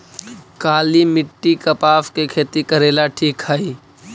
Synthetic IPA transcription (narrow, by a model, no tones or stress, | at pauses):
kaːlimɪʈːikəpaːfkekʰeːt̪ikəɾeːlaʈʰiːkhəi